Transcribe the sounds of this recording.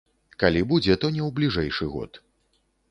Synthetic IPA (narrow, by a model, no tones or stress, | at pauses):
kalʲibud͡zʲɛt̪ɔnʲɛwblʲiʐɛjʂɨɣɔ̰t̪